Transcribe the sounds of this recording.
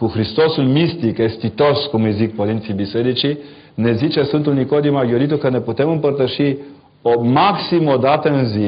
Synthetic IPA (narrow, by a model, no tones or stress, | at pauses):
koxɾist̪ɔsunmist̪ikast̪it̪ɔskomjɛzik̚pɔlint̪sibisɛd̪it͡ʃi | nɛzit͡ʃɛsunt̪ulnikod̪imaɡjɔɾit̪̬ɔkanɛpɔt̪ɛmumpəɾt̪aʃi | ɔmaksimɔd̪at̪ɛnzi